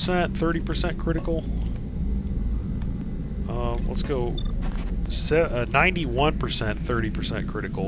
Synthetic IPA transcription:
sɛ̃nθɜ˞ɾipʰə˞sɛ̃nkʰɹ̥ɪɾɨkl̩ˠ | ʌ̃mlə̰tsɡ̥oʊ | sɛʌnãɪ̃ntiwʌ̃npʰə˞sɛ̃nθɜ˞ɾipʰə˞sɛ̰̃nkʰɹ̥ɪɾɨkl̩ˠ

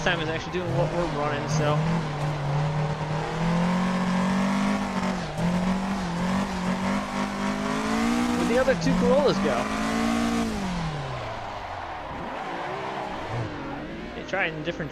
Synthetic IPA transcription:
tʰãɪ̃mɨzæk̚t͡ʃʉl̩ˠidʉɪ̃ŋ̃ŋwʌʔwə˞ɹʌ̃ñɪ̃nsoʊ | wʌðiʌðə˞tʰʉkʰəolˠəzɡoʊ | etʰɹ̥aɪɪ̃ndɪfɹɨ̃n

